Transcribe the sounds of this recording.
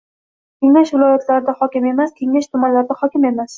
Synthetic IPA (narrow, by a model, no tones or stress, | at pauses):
kʲʰe̞ŋaʃvɪlɒjat̪laɾɪd̪ahɒkʲɪme̞maskʲʰe̞ŋaʃt̪ʰʊmanlaɾɪd̪ahɒkʲɪme̞mas